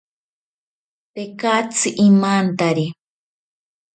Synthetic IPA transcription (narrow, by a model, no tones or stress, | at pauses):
pekat͡sɨʔimant̪aɾi